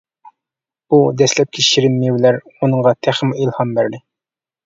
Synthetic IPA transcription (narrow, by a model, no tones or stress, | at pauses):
ud̪ɛslɛp̚kʲʰeʃiɾɪnmewlæɾunəɴʁɑt̪ʰæχmilˠhɑmbæɾlɪ